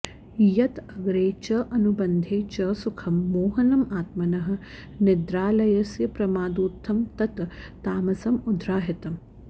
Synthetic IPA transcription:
jɐt̪ɐɡɾeːt͡ʃɐʔɐnubɐnd̪ʱeːt͡ʃɐsukʰɐmːoːɦɐnɐmaːt̪mɐnɐɦɐ̆ | nɪd̪ɾaːlɐjɐsjɐpɾɐmaːd̪uːt̪ʰːɐmt̪ɐt̪ː | aːmɐsɐmud̪ʱɾaːɦit̪ɐm

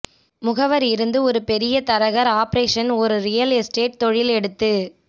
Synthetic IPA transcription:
mʊɣɐʋɐɾɪɾɯnd̪ɯɔɾɯpɛɾɪjɐt̪ɐɾɐɣɐɾaːpɾeːʂɐnɔɾɯɾɪjɐlɛsʈeːʈ̚t̪ɔɻɪlɛɽɯt̪ːɯ

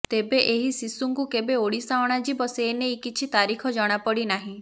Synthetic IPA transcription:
t̪ebeʔeɦisisuŋkukebeoɽisaɔɽ̃ad͡ʒibɔseːneikit͡ʃʰit̪aɾikʰɔd͡ʒɔɽ̃apɔɽinaɦĩ

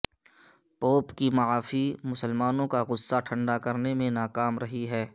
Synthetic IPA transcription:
poːpkimɐaːfimʊsəlmaːnõkaɣʊsːaʈʰɐ̃ɳɖakɐɾnemẽnaːkaːmɾɐɦiɦɛː

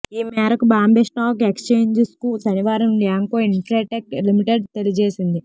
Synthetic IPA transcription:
iːmɛːɾɐkubaːmbeːsʈaːkekst͡ʃeːɲd͡ʒeskusɐniʋaːɾɐmljaːŋkoːiɳʈɾeːʈeklimiʈeɖt̪e̞liɐd͡ʒeːsind̪i

